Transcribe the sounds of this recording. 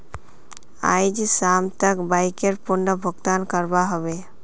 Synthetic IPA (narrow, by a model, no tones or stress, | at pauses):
a̰jd͡ʒsamt̪akbajkeɾpunːəbʱɔɡt̪ankɔɾbaɦɔbe